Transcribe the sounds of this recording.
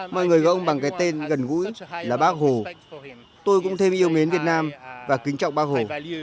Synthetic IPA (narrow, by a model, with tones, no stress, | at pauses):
mɔ̰˧˨jŋɨ˨˩əjɣɔ˧˩ʔə˧ŋ͡mɓa˨˩ŋkaː˨˦jt̪e˧nɣə˨˩nɣṵ˧˥jlaː˨˩ɓaː˦˥k̚ho˨˩ | t̪o˧jkʊ̰˧˥ŋ͡mt̪ʰe˧mʔi˧əwme˨˦nvi˨˩ət̚naː˧mvaː˨˩kï˨˦ŋ̟t͡ɕɔ̰˧˨wŋ͡mɓaː˦˥k̚ho˨˩